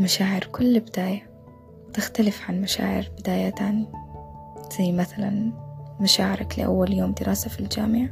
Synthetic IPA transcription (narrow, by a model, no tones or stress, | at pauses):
maʃaːʕɪɾkʊlːbɪd̪aːja | t̪ɪxt̪alɪfʕanmaʃa̰ːʕɪ̰ɾbɪd̪aːjat̪aːn | z̥ajːmaθalanmaʃaːʕɪɾaklɪ̰ʔa̰wːaljoːmd̪ɪɾʔaːsafild͡ʒaːmɪʕ